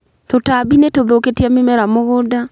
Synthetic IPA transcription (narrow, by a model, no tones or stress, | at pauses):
totabinetoðoketiamemɛɾamoɣoda